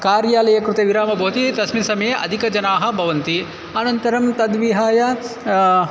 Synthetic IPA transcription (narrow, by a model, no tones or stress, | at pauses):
kaːɾjaːlɐjɐkɾut̪eːʋiɾaːmɐbʱoːt̪it̪ɐsmisɐmɐjeʔɐ̰d̪ʱikɐd͡ʒɐnaːɦɐ̆bʱɐʋɐnt̪i | ɐnɐnt̪ɐɾɐmt̪ɐd̪ʋiɦaːjɐ